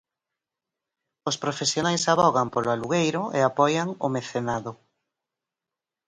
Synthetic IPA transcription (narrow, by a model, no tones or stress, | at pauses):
ospɾofesjonajsaβɔɣampoloaluɣejɾʊʔḛapɔjaŋomeθenaðʊ